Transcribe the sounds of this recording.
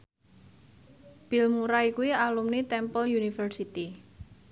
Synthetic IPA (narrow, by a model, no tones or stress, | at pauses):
b̥i̤lmuɾaikuwialumnit̪ɛmpəljunifərsit̪i